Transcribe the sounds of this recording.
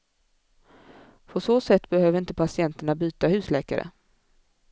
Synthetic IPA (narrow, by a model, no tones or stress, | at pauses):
pʰɔsoːsɛt̪ːbɛhøːvəɾɪnt̪əpʰasɪɛnt̪əɳabyːt̪ahʉ̟ːslɛːka̰ɾə̰